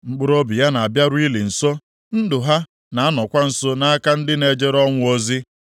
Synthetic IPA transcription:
ŋ͡m̩˨k͡pʊ˦ɾo˦bi˨ja˦na˨a˨bja˦ɾʊ˦i˦li˨n̩˨so˦ | n̩˦dʊ˨ɦa˦ | na˨a˦nɔ˨kʷa˦n̩˨so˦na˦a˦ka˦n̩˦dɪ˦ne˨d͡ʒe˦ɾɔ˦ŋʷʊ˦o˦zi˦

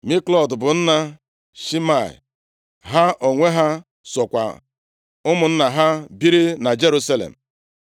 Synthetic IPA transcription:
mi˦klɔ˨dbʊ˨n̩˦na˦ | ʃi˦ma˦˨ḭ˨ | ɦa˦ʔo˨ŋʷe˦ɦa˦ | sɔ˨kʷa̰˨ | ʊ˦mʊ˨n̩˦na˨ɦa˦bi˦ɾi˦na˨d͡ʒe˦ɾu˦sa˦lḛ˨m̩˨

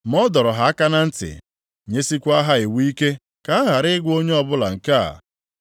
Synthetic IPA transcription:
mɔ˦dɔ˨ɾɔ˨ɦa˨a˦ka˦na˦n̩˦tɪ̰˨ | ɲe˦si˦kʷa˦ɦa˦ɪ˨wi˦i˦ke˦ | ka˨˦a˦ɦa˨ɾɪ˦ɪ˦ɡʷo˦ɲe˦ɔ˦bʊ˦la̰˨ŋ̩˨ka̰˦˨

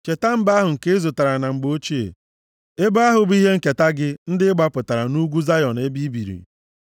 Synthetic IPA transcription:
t͡ʃe˨ta˦m̩˦ba˦ɦʊ˨ŋ̩˨ke˦e˦zʊ˨ta˨ɾa˨na˨ŋ͡m̩˨ɡ͡bo˦t͡ʃi˦ḛ˨ | e˦ba˦ɦʊ˨bi˦ɦe˦ŋ̩˨ke˨ta˦ɡɪ˦n̩˦dɪ˦ɪ˦ɡ͡ba˦pʊ˨ta˨ɾa˨nu˦ɡʷu˦za˦jɔ˨ne˦bi˦bi˨ɾḭ˨

